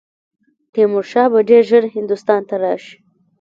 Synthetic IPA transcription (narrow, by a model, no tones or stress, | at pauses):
t̪emʊɾʃɑbaɖeɾʒəɾhɪnd̪ust̪ɑnt̪aɾɑʃi̥